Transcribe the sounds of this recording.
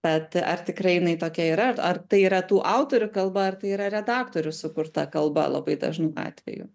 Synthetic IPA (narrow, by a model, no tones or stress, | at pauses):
b̥ʲɛt̪ɐ̰rt̪ʲɪkɾɐɪjɪnɐɪt̪oːkʲɛiːɾɐɐrt̪ɐɪiːɾɐt̪uːʔɑʊt̪oːɾʲʊkɐlˠbɐɐrt̪ɐɪiːɾɐɾʲɛd̪ɑːkt̪oːɾʲʊsʊkʊɾt̪ɐkɐlˠbɐ̰lˠɐ̰bɐɪd̪ɐ̰ʒnuːʔɑ̰ːt̪ʲʋʲɛ̰jʊ̰